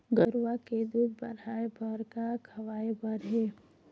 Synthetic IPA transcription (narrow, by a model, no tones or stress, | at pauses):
ɡəɾʋaked̪uːd̪̚bəɾaːebəɾkakʰɐʋaːebəɾɦeː